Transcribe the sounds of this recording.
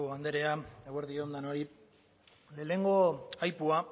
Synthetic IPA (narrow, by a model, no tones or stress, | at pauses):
oβand̪e̞ɾe̞aeweɾðiond̪ano̞ɾi | le̞ːne̞ŋɡo̞ajpua